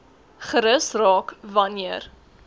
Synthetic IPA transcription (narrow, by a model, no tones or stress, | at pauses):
χəɾəsrɑːkvɐniər